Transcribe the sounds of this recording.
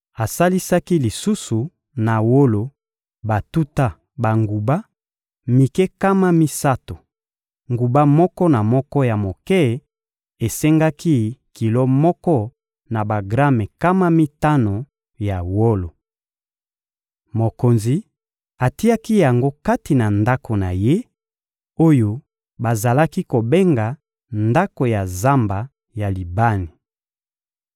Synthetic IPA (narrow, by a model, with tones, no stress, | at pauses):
a˨sa˦li˦sa˦ki˦li˨su˦su˨ | na˨wo˦lo˨ | ba˨tu˦ta˦ | ba˨ŋɡu˨ba˦ | mi˨kɛ˦ka˦ma˦mi˦sa˦to˨ | ŋɡu˨ba˦mɔ˦kɔ˦na˨mɔ˦kɔ˦ja˨mo˨kɛ˦˨ | e˨se˦ŋɡa˦ki˦ki˨lo˦mɔ˦kɔ˦ | na˨ba˨ɡʁa˦mɛ˨ka˦ma˦mi˦ta˦no˨ | ja˨wo˦lo˨ | mo˨ko˨nzi˨˦ | a˨ti˦a˦ki˦ja˨ŋɡo˦ka˦ti˨na˨nda˦ko˨na˨je˦ | o˦jo˨ | ba˨za˨la˦ki˦ko˨be˦ŋɡa˨ | nda˦ko˨ja˨za˦mba˨ | ja˨li˨ba˦ni˨